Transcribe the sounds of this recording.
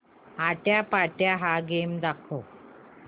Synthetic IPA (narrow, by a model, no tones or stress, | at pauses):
aʈjapaʈjaɦaɡemd̪akʰo